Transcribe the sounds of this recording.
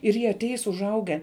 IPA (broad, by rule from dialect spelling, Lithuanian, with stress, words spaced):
ɪr ˈjiɛ ɐˈtʲɛɪs ʊʒˈɐʊɡʲɛ